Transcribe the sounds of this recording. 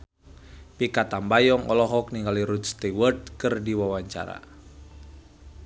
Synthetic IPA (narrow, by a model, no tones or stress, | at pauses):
pikat̪ambajɔŋɔ̰lɔɦɔk̚niŋɡaliɾut̪̚st̪iwərt̪̚kɨrdiwawaɲt͡ʃa̰ɾa̰